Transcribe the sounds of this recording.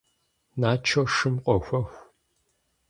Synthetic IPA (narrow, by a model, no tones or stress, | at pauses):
naːt͡ʃʰoʂɨmqʷʼɔxʷɐxʷ